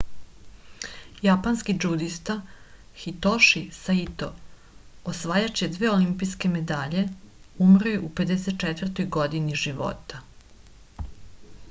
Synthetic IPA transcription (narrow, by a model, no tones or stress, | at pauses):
japanskid͡ʒud̪ist̪a | xit̪oʃisait̪o | osʋaːjat͡ɕed̪ʋeːolimpiske̞me̞d̪aːʎe̞umɾojuʔupe̞d̪eset̪̚t͡ʃɛt̪ʋr̩t̪ojɡo̞d̪iniʒiʋo̞̰t̪a